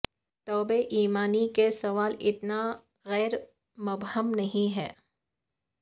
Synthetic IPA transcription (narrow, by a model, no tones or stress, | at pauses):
t̪ɔːbeʔiːmaːnikesɐʋaːlɪt̪na | ɣɛːɾ | mʊbhəmnɐɦĩɦɛː